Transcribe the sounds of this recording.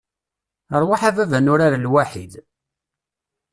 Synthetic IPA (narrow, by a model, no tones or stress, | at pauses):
əɾˤwaħavævænʊɾaɾalwaħid̪